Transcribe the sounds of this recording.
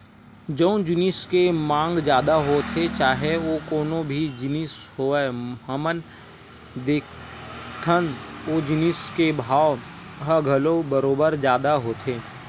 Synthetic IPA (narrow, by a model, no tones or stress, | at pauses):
d͡ʒə̃ʊ̃d͡ʒɪnɪskemãːŋɡd͡ʒjaːd̪aɦoːt̪ʰet͡ʃaːɦeʋokoːnõbʱid͡ʒɪnisɦoeɦəmən | d̪eːkʰt̪ʰənoːd͡ʒɪnɪskebʱaːw | ɦəɡʱəlobəɾoːbəɾd͡ʒjaːd̪aɦoːt̪ʰeː